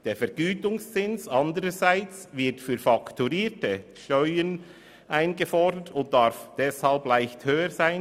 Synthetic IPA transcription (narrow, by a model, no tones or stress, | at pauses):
d̥eːfɛɾɡ̥yːtʊŋst͡sɪnsɑndəɾəzaɪt͡svɪtfyːɾfɑktuɾiːtəʃtœʏən | ʔaɪnɡəfɔɾdətʊnt̚d̥ɑɾfd̥ɛshɑlplaɪçthøːəzaɪn